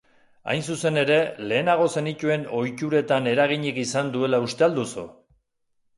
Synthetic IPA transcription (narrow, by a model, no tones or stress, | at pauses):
a̰jnsuse̞ne̞ɾe̞le̞ːnaɣ̞o̞se̞nic̪ue̞no̞jcuɾe̞t̪ane̞ɾaɣ̞iɲikisand̪ue̞laust̪eald̪uso̰